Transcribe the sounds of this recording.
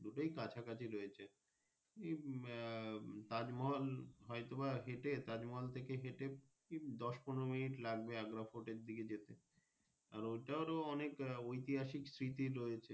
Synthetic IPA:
d̪uʈojkat͡ɕʰakat͡ɕʰiɾoet͡ɕʰe | e | t̪ad͡ʑmɔɦolɦɔet̪obaɦeʈet̪ad͡ʑmɔɦolt̪ʰekeɦeʈe | kid̪ɔʃpoɾnɾominiʈlaɡbeaɡɾafoʈeɾd̪ʱiked͡ʑet̪e | aɾojʈaoɾoɔnekojt̪iɦaʃiksɾit̪iɾojet͡ɕʰe

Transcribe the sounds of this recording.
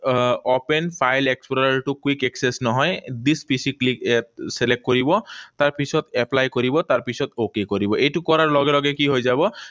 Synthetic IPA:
openpʰajlekspɔjaɹʈʊkwikɛksesnɔɦɔjd̪ispʰisikliselek̚koɹibɔt̪aɹpisɔt̪ɛplajkoɹibɔt̪aɹpisɔt̪okekoɹibɔʔejtʊkɔɹaɹlɔɡɛlɔɡɛkiɦojzabɔ

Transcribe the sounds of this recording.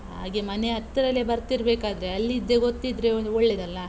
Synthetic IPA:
ɦaːɡemɐneɦɐt̪ːɐɾɐlebɐɾt̪iɾbeːkaːd̪ɐɾeɐlːid̪ːeɡo̞t̪ːid̪ɾe̞ond̪uoɭːed̪ɐlːɐ

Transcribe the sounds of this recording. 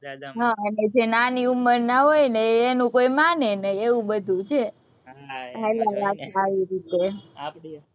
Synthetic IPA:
ɦãəned͡ʒenaniuməɾnaɦojneːnũkojmaneneeʋũbəd̪ʱũt͡ʃʰe | əlalakaʋiɾit̪e

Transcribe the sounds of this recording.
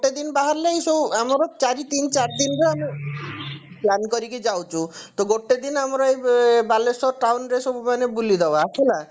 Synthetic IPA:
ʈed̪inbaɦaɾlejsowamɔɾɔt͡ʃaɾit̪int͡ʃaɾd̪inɾeami | plankoɾikid͡ʒawt͡ʃʰut̪oɡoʈːed̪inamɾɔejbalesɔʈawnɾesɔbumanebulid̪ɔwaasʰela

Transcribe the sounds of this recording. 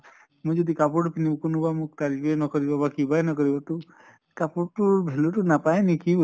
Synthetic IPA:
mũjd͡ʒɔd̪ikapoʈpʰiniukunubamũk̚t̪aɾipʰenɔkɔɾibɔbakibaenɔkɔɾibɔt̪o | kapoɽʈubʱeluʈunapajniki

